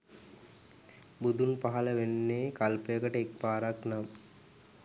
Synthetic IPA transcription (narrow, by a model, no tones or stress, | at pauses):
bud̪unpaɦɐləʋenːeːkalpəjəkəʈəek̚paːɾaknam